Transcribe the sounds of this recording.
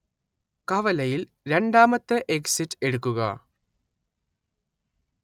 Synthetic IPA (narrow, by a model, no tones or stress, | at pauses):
kɐʋɐlɐjil | ɾe̞ɳɖaːmɐt̪ːɨʔeksitːeɽukːuɣɐ̰